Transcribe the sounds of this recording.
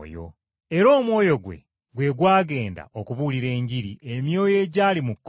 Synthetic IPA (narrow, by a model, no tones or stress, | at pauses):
jo̰ | e̞ɾo̞ːmwo̞ːjo̞ɡwe̞̰ | ɡwe̞ɡwaːɡe̞ːnda̰ʔokuβuliɾe̞ːɲɟiɾiʔe̞mjo̞ːje̞ːɟaːlimukː